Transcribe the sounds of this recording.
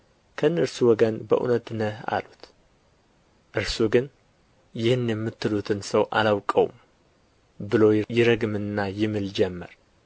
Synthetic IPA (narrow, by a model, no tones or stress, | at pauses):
kʰəɨnːəɾsuwɔɡənbə̰ʔṵnət̪nəha̰lut̪ | ʔɨɾsuɡɨn | jɪhɨnjɛmːɨt̪ːɨlut̪ʰɨnsəwʔa̰lawkʼəwṵm | bɨlo̞jɪɾəɡɨmɨnːajɪmɨld͡ʒɛmːəɾ